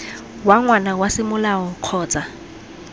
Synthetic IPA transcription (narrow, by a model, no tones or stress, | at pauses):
waŋwanawasɪmʊlaɔq͡χʰɔːt͡sʼa